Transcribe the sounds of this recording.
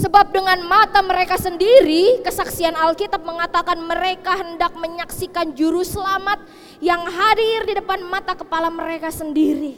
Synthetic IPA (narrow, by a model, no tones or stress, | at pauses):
səbap̚dəŋanmat̪aməɾekasəndiɾikəsaksianalkit̪ap̚məŋat̪akanməɾekaɦəndak̚məɲaksikand͡ʒuɾusəlamat̪̚ | jaŋɦadirdidəpanmat̪akəpalaməɾekasəndiɾi